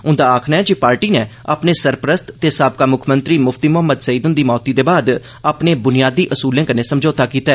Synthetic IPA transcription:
ʊ̃nd̪aːaːkʰnaːɛːd͡ʒepaːɾʈiːneː | a̰ːpneːsəɾpɾəst̪t̪eːsaːb̚kaːmʊkʰmənt̪ɾiːmʊfʰt̪iːmʊɦəmːəd̪səiːd̪ʊnd̪iːmɔːt̪iːd̪eːbaːd̪ | aːpneːbʊnɪjaːd̪iːʔəsuːlẽːkəneːsəmd͡ʒoːt̪aːkiːt̪aɛ

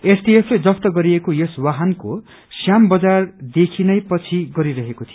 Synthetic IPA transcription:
esʈiepʰled͡zʌst̪ʌɡʌɾiekojʌswaɦʌnko̰ | sjambʌd͡zard̪ekʰinʌjpʌt͡sʰiɡʌɾiɾʌɦekot̪ʰijo

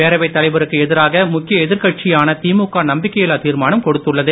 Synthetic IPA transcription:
eːɾɐʋɐɪt̪ːɐlɐɪʋɐɾɯkːɯɛðɪɾaːɣɐmʊkːɪjɐɛðɪɾkɐʈ̚t͡ʃɪjaːnɐt̪iːmʊkːaːnɐmbɪkːɐjɪlaːt̪iːɾmaːnɐmkɔɽɯt̪ːɯɭːɐðɯ

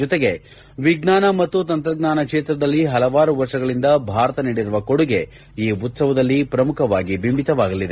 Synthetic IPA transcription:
ɔt̪eɡe̞ | ʋiɡnaːnɐmɐt̪ːut̪ɐnt̪ɾɐɡnaːnɐkʂeːt̪ɾɐd̪ɐlːiɦɐlɐʋaːɾuʋɐɾʂɐɡɐɭind̪ɐbʱaːɾɐt̪ɐniːɽiɾuʋɐko̞ɽuɡe̞ | iːut̪sɐʋɐd̪ɐlːipɾɐmukʰɐʋaːɡibimbʱit̪ɐʋaːɡɐlid̪e

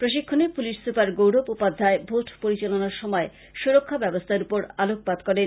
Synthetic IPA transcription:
pɾoʃikʰːonepuliʃsupaɾɡowɽobupad̪ʱːaebʱoʈpoɾit͡ɕalonaɾʃɔmɔe | ʃuɾokʰːabɛbost̪ʰaɾupoɾalok̚pad̪kɔɾen

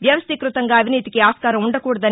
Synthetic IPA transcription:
ʋjɐʋɐst̪ikɾut̪ɐŋɡɐːbʱiniːt̪ikeaːskaːɾɐuɳɖɐkuːɽɐd̪ɐ

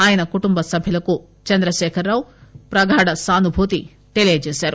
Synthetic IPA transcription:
aːjɐnɐkuʈumbɐsɐbʱilɐku | t͡ʃɐnd̪ɾɐʃɛːkʰɐɾːaːwupɾɐɡʱaːɽɐsaːnubʱuːt̪i | ʈelijeːd͡ʒeːsaːɾu

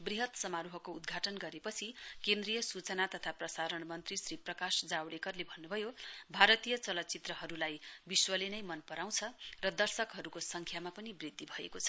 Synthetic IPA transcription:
briɦʌt̪sʌmaɾuɦʌkoud̪ɡʱaʈʌnɡʌɾepʌt͡sʰikend̪rijʌsut͡sʌnat̪ʌt̪ʰaprʌsaɾʌɽmʌnt̪risriprʌkasd͡zawɽekʌrlebʱʌnːubʱʌjobʱaɾʌt̪ijʌt͡sʌlʌt͡sit̪rʌɦʌɾulajbiswʌlenʌjmʌnpʌɾaw̃t͡sʰʌrʌd̪ʌrsʌkɦʌɾukosʌŋkʰjamapʌnibrid̪ʱːibʱʌekot͡sʰʌ̥

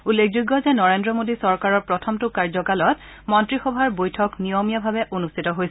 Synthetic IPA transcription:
ulːekʰd͡ʒuɡːɔzɛnɔɹendɹɔmodisɔɹkaɹɔɹpɹɔtʰɔmtʊkaɹzɔkalɔt | mɔntɹixɔbʱaɹbojtʰɔknijomijabʱabɛʔonustʰitɔɦojs

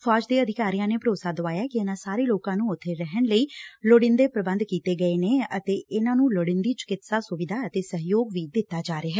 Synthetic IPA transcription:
fʰɔːd͡ʒd̪eːəd̪ʱɪkaːɾijãːneːpəɾoːsaːd̪oʋaːjaːkɪɪnãːsaːɾeːloːkãːnũːʊt̪ʰːeːɾɛɦəɳləiːloɽɪnd̪eːpɾəbə̃nd̪kiːt̪eːɡəeːneːət̪eːɪnãːnũːloɽɪnd̪iːt͡ʃə̥kɪt̪saːsʊʋɪd̪ʱaːət̪eːsəɦjoːɡʋiːd̪ɪt̪ːaːd͡ʒaːɾeːɦɛː

